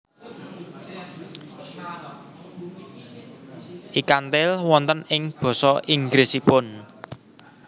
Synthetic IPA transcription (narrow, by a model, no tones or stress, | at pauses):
ʔikant̪ɪlwɔnt̪ənɪŋb̥ɔ̤sɔiŋɡɾesipʊn